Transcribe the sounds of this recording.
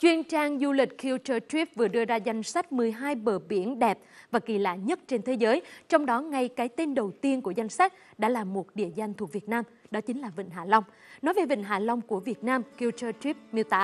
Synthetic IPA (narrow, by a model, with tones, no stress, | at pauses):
t͡ɕwi˧ənt͡ɕaː˧ŋzu˧lï˨˩k̟̚kʰi˧wt͡ɕəː˧t̪wi˦˥p̚vɨ˨˩əɗɨ˧əzaː˧za˧jŋ̟sa˦˥k̟̚mɨ˨˩əjɦaː˧jɓəː˧˩ɓi˧˩ənɗɛ˨˩p̚vaː˨˩ki˧˩la̰ː˧˩˥ɲə˦˥t̚t͡ɕe˧nt̪ʰe˨˦zəː˨˦jt͡ɕɔ˧wŋ͡mɗɔ˨˦ŋa˧jkaː˨˦jt̪e˧nɗə˨˩wt̪i˧ənku˧˩əza˧jŋ̟sa˦˥k̚ | ɗa̰ː˧˥laː˨˩mmo˨˩t̚ɗḭ˧˨əza˧jŋ̟t̪ʰu˨˩k̚vi˨˩ət̚naː˧mɗɔ˨˦t͡ɕï˨˦ŋ̟laː˨˩vḭ˧˨ŋ̟ɦaː˧˩la˧wŋ͡m | nɔ˨˦jve˨˩vḭ˧˨ŋ̟ɦaː˧˩la˧wŋ͡mku˧˩əvi˨˩ət̚naː˧mki˧wt͡ɕəː˧t̪wi˦˥p̚mi˧˩əwt̪a̰ː˧˥